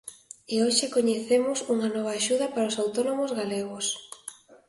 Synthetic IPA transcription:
ɪoʃɪkoɲeθemʊsuŋɐnɔβ̞ɐːʃuðɐpaɾaosawt̪onomozɣaleɣos

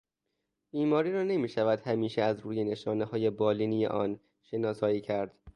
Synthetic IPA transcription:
b̥iːmɒːɾiːɾɒːne̞miːʃævæd̪hæmiːʃeæzɾuːjene̞ʃɒːnehɒːje̞bɒːliːnijḛʔɒːn | ʃe̞nɒːsɒːjiːcʰæɾd̪̥

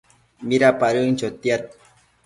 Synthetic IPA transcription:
miɾapaɾunt͡ʃat̪ijaɾ̚

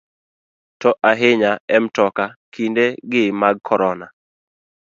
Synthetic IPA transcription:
tɔʔaɦɪɲaɛmtɔkakindeɡɪmaɡ̚kʰɔɾɔna

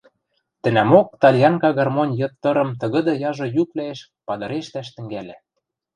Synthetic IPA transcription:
t̪ɘ̆næmok̚t̪ɑlʲjɑŋkɑɣɑrmonʲjɤ̆t̪ːɤ̆ɾɤ̆mt̪ɤ̆ɣɤ̆d̪ɤ̆jɑʒɤ̆jyklæeʃ | pɑd̪ɤ̆ɾeʃt̪æʃt̪ɘ̆ŋɡælɘ̆

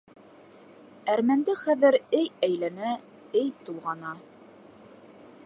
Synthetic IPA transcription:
æɾmænd̪ɘχæðɘɾɘjæjlænæ | ɘjt̪ulˠʁɑnɑ

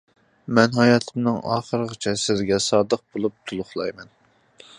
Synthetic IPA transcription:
mɛnɦɑjɑːt̪ʰɨmnɨŋɑ̰ːχəɾəʁət͡ʃʰɛsɪzɡʲɛsɑːd̪əq̚bolˠup̚t̪ʰulˠʊχlˠɑjmɛn

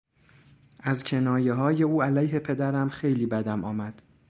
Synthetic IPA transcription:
ʔæzcʲʰe̞nɒːje̞ɦɒːje̞uːælæjɦe̞pʰe̞d̪æɾæmxe̞jliːbæd̪æmɒːmæd̪̥

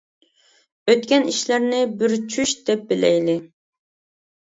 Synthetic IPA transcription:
øt̪kʲɛniʃlæɾnɪbɪɾt͡ʃʰyʃd̪ɛp̚bɪlɛ̰jlɪ

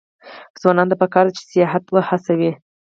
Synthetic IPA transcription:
z̥wɑnɑnd̪apəkɑɾd̪at͡ʃɪ̥sijɑɦat̪wəhasawi

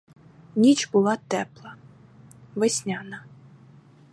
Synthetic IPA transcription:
nʲit͡ʃbʊlˠɑt̪ɛplˠɐ | ʋɪsʲnʲanɐ

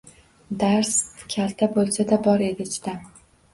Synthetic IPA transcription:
d̪aɾskʲʰalt̪ʰabolˠsad̪abɒɾe̞d̪ɪt͡ʃʰt̪a

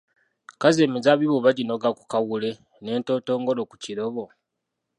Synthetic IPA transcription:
kazemizaβiβoβaɟino̞ɡaku̥kawule̞ | ne̞ːnto̞ːto̞ːŋɡo̞lokuciɾo̞βo̞

